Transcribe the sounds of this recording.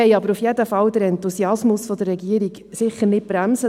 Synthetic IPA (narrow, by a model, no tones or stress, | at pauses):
ɛɪɑbəɾufjɛd̪əfɑwd̪əɾɛnt̪usiɑsmʊsfɔd̪əɾːɛɡiəɾiɡ | sɪχːənɪt̚b̥ɾæmsə